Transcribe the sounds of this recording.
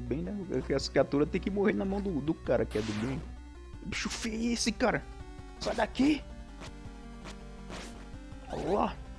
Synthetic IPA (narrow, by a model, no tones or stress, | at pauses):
ʊbẽj̃nɛkkasɐ̥kɾiat̪uɾɐt̪ẽj̃kɪmoheɾnɐmɐ̃w̃d̪ʊd̪ʊkaɾɐkɪɛd̪ʊbẽj̃ | biʃofieesɪkaɾɐ | sajd̪aki | ɔ̰la